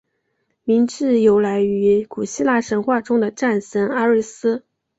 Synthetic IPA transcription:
mi˧˥nʈ͡ʂɻ̩˥˩jo˧˥ʊla˧˥ɪy˧˥ku˨˩ɕi˥la˥˩ʂə˧˥nxwa˥˩ʈ͡ʂʊ˥ŋd̪ə˨ʈ͡ʂa˥˩nʂə˧˥ŋa˥ɻi˥˩sɹ̩˥

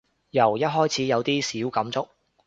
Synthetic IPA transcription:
jɐ˨˩wjɐ˥t̚ɦɔː˥jt͡sʰiː˨˧˥jɐ˨˧wt̪iː˥siː˨˥wkɐ˨˥mt͡sʊ˥k̚

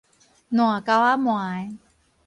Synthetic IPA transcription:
nu˨˩a˦ka˧wa˦˥mwaː˨˩˦j

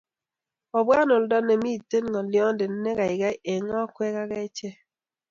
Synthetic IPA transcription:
ɔ˨bwa˦no˨ldɔ˦ne˨mi˦˨tːe˦nŋɔ˨ljɔ˦nde˨nː˦ɛ˦ka˨ɪ˨ɡa˦ʔe˨ŋɔ˦kwɛ˦ka˦kɛ˦t͡ʃɛ˦

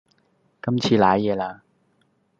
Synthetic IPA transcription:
kɐ˥mt͡sʰiː˧laː˨˥jɛː˨˧laː˧

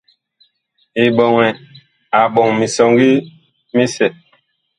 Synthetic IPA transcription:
i˨ɓɔ˨ŋɛ˨ | a˨ɓɔ˨ŋmi˨sɔ˨ŋɡi˦ | mi˦sɛ˨

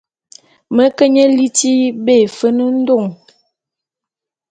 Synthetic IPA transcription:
mə˨˦kə˦ɲə˦li˦ti˦be˦˨fə˦nə˦n̩˦do˦˨ŋ

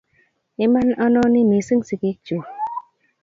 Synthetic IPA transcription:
i˦ma˦nɔ˦nɔ˦ni˦mi˨˦sɨ˦ŋsi˨ki˨˦t͡ʃu˨

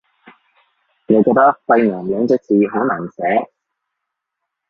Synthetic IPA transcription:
ŋɔ˨˧kɔː˧k̚t̪ɐ˥k̚fɐ˧jnɔː˨˩ŋlœː˨˧ŋt͡sɛː˨˥t͡siː˨˧ɦo˨˥wnaː˨˩nsɛː˨˥

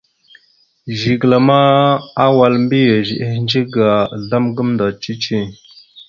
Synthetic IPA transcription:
ʒi˨ɡla˨ma˦a˦wa˨lmbi˦je˨ʒi˨ʔə˦hnd͡ʒi˦ɡa˨ɮa˦mɡə˦mnda˨t͡ʃi˦t͡ʃi˦˨

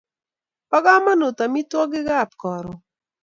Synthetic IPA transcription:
pɔ˦ɡa˦ma˦no˨ta˨mi˦twɔ˦ɡɪ˦ɡa˦˨p̚kɔ˨ɾɔ˨

